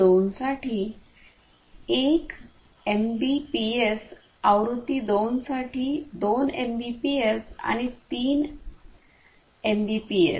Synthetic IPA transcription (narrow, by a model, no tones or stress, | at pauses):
onsaʈʰiː | ek | embipies | aʋɾut̪ːid̪onsaʈiːd̪onembipiesa̰ñit̪iːn | embipiḛ